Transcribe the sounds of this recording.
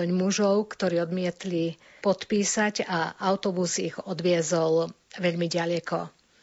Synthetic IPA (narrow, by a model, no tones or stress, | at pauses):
ɔɲmuʒɔʊkt̪ɔɾiːɔd̪mɪɛt̪li | pɔt̪piːsaɟaʔaʊt̪ɔbusiɣɔd̪ʋɪɛzɔlʋɛʎmiɟalɛkɔ